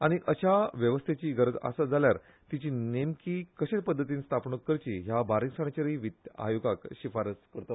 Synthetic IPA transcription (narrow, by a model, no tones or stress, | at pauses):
aɽ̃iʔəɕaʋjəʋəst̪ʰet͡ɕiːɡəɾəd͡zə̰sad͡zaljaɾ | t̪it͡ɕiːnemkiːkəɕet͡spəd̪ʱːət̪̬iːnst̪ʰapɳəkːəɾt͡ɕiɦjabaɾĩksaɳ̃at͡ɕeɾiʋit̪a̰juɡakɕifaɾət͡skəɾt̪o